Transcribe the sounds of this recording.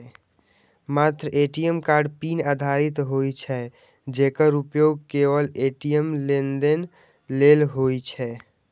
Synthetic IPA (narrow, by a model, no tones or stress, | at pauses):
mat̪ɾəeʈijemkaɾɖpinad̪ʱaɾit̪ɦojt͡ʃʰɛ | d͡ʒekəɾupjoɡ̚keʋəleʈijəmlend̪en | lelɦojt͡ʃʰɛ